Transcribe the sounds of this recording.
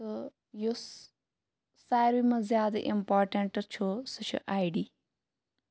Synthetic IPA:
jo | saːjɾimɐzjaːd̪ʔḭmpaːɾʈeɳʈt͡ʃʰosut͡ʃʰṵʔaːjɖiː

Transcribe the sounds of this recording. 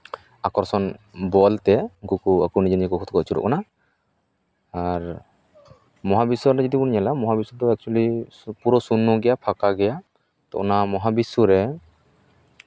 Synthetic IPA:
akɔɾsɔnbɔlt̪ɛkukuakɔnid͡ʒɔniakɔkʰɔt̪̚kɔʔt͡ʃʰuɾɔ̰ʔkɔna | aɾ | mɔɦabisɔɾɾɛd͡ʒɔd̪ipuɾnɲɛlamɔɦabisut̪ɔɛk̚t͡ʃuali | puɾɔsunːɔɡɛjapʰakaɡɛja | t̪ɔ̰ʔɔ̰namɔɦabisuɾɛ

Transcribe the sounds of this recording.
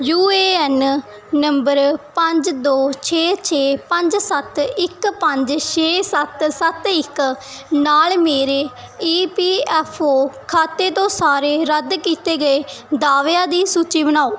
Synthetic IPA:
juːeːɛːn | nəmbəɾpəɲd͡ʒd̪oːt͡ʃʰeːt͡ʃʰeːpə̃ɲd͡ʒsət̪ɪkpəɲd͡ʒʃʰeːsət̪sət̪ɪk | naːlmeːɾeː | iːpiːɛːpʰoːkʰaːt̪ːeːt̪õːsaːɾeːɾəd̪kiːt̪eːɡəeːd̪aːʋjaːd̪iːsuːt͡ʃiːbənaːoː

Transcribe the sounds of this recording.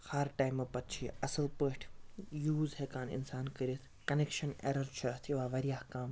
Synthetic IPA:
haɾʈaːjmɐpɐt̪̚t͡ʃʰiɐsɨlpəʈʰjuːzɦekaːnḭnsaːnkɐɾit̪ʰ | kɐnekʃɐnḛɾɐɾt͡ʃʰɐt̪ʰiʋaːʋɐɾijaːhkaːm

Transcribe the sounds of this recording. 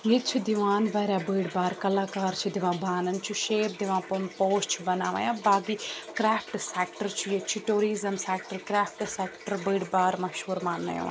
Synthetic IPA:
jet͡ʃʰid̪ɪʋaːnbaːɾaːbəːɽbaːɾkɐlaːkaːɾt͡ʃʰid̪ɪʋãːbʱaːnənt͡ʃʰuʃeːp̚d̪ɪʋãːpʊnpoːst͡ʃʰbɐnaːʋa̰ːjãːbaːɡiːkɾɛːpʰʈsɛːkʈəɾt͡ʃʰijet͡ʃʰiʈuːɾiːzəmsɛːk̚ʈəɾkɾɛːpʰʈsɛːkʈəɾbəːɽbaːɾmɐʃɦuːɾmaːnːə̰jo̰ː

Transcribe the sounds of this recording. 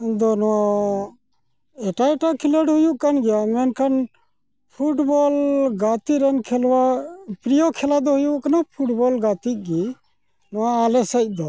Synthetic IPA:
nd̪onɔã | eʈaeʈakʰiləɽɦʊjukːənɡɛjamɛnkʰən | pʰuʈboːlɡaːt̪iɾenkʰelʋapɾijokʰelad̪oɦʊjuknapʰuʈboːlɡaːt̪ik̚ɡi | nʊãaːlesəd̪oː

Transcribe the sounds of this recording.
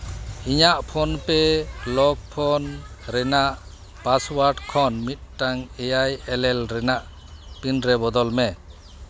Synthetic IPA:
iɲaʔpʰɔnpɛlɔɡ̚pʰɔnɾɛnaʔ | paswaɾʈkʰɔnmit̪̚taŋɛjajɛlɛlɾɛnaʔ | pinɾɛbɔd̪ɔlmɛ

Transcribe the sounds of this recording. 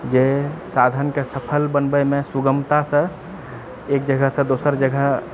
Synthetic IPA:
d͡ʒesad̪ʱənkesəpʰəlbənbəmesuɡəmt̪asə̃ | ekd͡ʒəɡəɦsə̃d̪osəɾd͡ʒəɡəɦ

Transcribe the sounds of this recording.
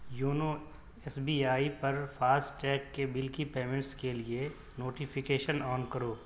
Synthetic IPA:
juːno | ɛsbiːaːipɐɾfʰaːsʈʈɛːkːebɪlkipeːmɪ̃ɳʈskelie | noːʈɪfʰɪkeːʃənɔːnkɐɾoː

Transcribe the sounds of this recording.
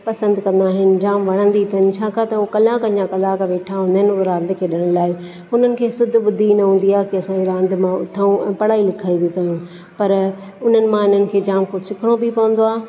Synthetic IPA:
pɐsə̃nd̪kɐ̃nd̪aːɦɪnɪ̆d͡ʑaːmʋɐɽ̃ə̃nd̪it̪ʰɐnɪ̆t͡ɕʰaːkʰat̪ɐukɐlaːkɐɲd͡ʑãkɐlaːkʋeːʈʰaɦũnd̪aɦnɪoɾãːnd̪ʱkʰeːɗɪɽ̃laːɪ | ʊn̤ənɪ̆kʰeːsʊd̪ʱɓʊd̪ʱinɐɦũːn̆d̪iaːkiɐsãɲiɾãːnd̪ʱmãʊ̰t̪ʰaũɛ̃pɐɽaːilɪkʰaːibik̪aːjũ | pɐɾ | ʊn̤ənɪ̆mãɪn̤ənɪ̆kʰeːd͡ʑaːmkʊsɪkʰɪɽ̃obʱipɐʋə̃nd̪oaː

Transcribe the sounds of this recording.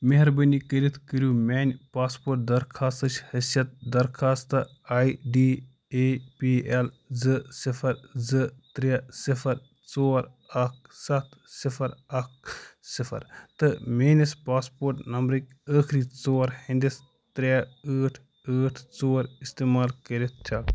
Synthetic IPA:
meɦɐɾbənikəɾit̪ʰkəɾʲjuːmʲeːnʲpaːspoːɾʈ̚d̪ɐɾkʰaːst̪ɐt͡ʃʰʲhɐsjɐt̪̚d̪ɐɾkʰaːst̪ɨ | aːjɖiː | epiːelzɨsifʰɐɾzɨt̪ɾʲesifʰɐɾ | t͡soːɾ | ɐk̚sɐt̪ʰsipʰɐɾɐk̚sifʰɐ̰ɾt̪ɨmʲeːnʲispaːspoːɾʈnɐmbɾɨkʲəːkʰɾit͡soːɾhind̪is | t̪ɾʲeəːʈʰ | əːʈʰt͡soːɾist̪eːmaːlkəɾit̪̚ʰt͡ʃ̪ʲʰɐ

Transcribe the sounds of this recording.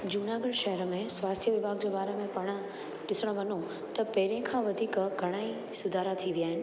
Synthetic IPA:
d͡ʑuːnaːɡəlʃɐɦəɾmẽsʋaːst̪ʰijəʋɪbʱaːɡ̚d͡ʑeːbaːɾemẽpɐɽ̃ə | ɗɪsəɽ̃ʋɐno | t̪ɐpɐɦɪɾẽkʰãːʋɐd̪ʱiːkɡʱɐɽ̃aːi | sʊd̪ʱaːɾat̪ʰiʋijaːɦɪnɪ̆

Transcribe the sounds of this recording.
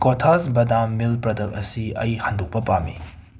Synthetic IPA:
kotʰasbɐdamːilpɾɐdɐk̚ɐsiɐ̰jhanduk̚pɐpamḭ

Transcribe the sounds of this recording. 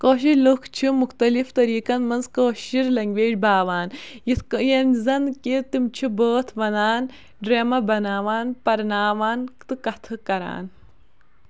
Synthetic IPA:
koːʃ̬ilukʰt͡ʃʰumuxt̪ɐlift̪ɐɾiːkɐnmɐnzkoːʃiɾlɐŋɡʲʋeːd͡ʒbaːʋaːnjit̪kjɐnzɐnkit̪imt͡ʃʰiboːt̪ʰʋɐnaːn | ɖɾeːmɐbɐnaːʋaːnpɐɾnaːʋaːnt̪ɨkɐt̪ʰɨkɐɾa̰ːn

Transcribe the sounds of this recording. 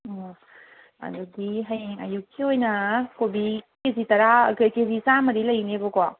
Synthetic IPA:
ɐ̰dudiɦɐjeŋa̰jukʰːiojnɐkobikezitɐɾakkezisamɐɾilɐjnebɔka

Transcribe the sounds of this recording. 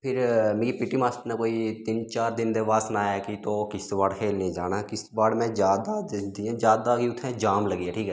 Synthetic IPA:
pʰɪɾmẽːɡipɪʈːiːmaːst̪naːkoːiːt̪ɪnt͡ʃaːɾd̪ɪnd̪eːʋaːsnaːɛːkit̪oːkɪsʋaːɽkʰeːlnẽːd͡ʒaːnaːkɪsʋaːɽmɛ̃ːd͡ʒjaːd̪ad̪iãːd͡ʒjaːd̪aːkiʊt̪ʰːẽːd͡ʒaːmləɡiːeːʈʰiːkɛː

